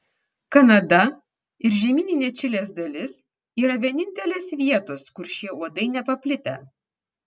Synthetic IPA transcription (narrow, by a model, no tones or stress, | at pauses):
kɐnɐd̪ɐ | ɪɾʒʲɛmʲɪnʲɪnʲɛt͡ʃʲɪlʲeːsd̪ɐlʲɪs | iːɾɐʋʲiɛnʲɪnʲt̪ʲɛlʲeːsʋʲiɛt̪oːskʊɾʃʲiɛuɔd̪ɐɪnʲɛpɐpʲlʲɪt̪ʲɛ̰